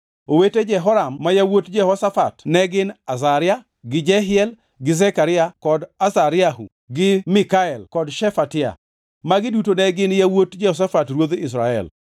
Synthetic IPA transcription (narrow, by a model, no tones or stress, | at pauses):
oweted͡ʒɛɦɔɾamːajawotd͡ʒɛhɔsafatnɛɡɪnasaɾɪa | ɡɪd͡ʒɛɦɪɛl | ɡɪzɛkaɾɪakɔdasaɾɪahṵ | ɡɪmɪkaɛlkɔdʃɛfatɪa̰ | maɡɪdutonɛɡɪnjawotd͡ʒɛhɔs̬afatrwod̪ɪs̬ɾaɛ̰l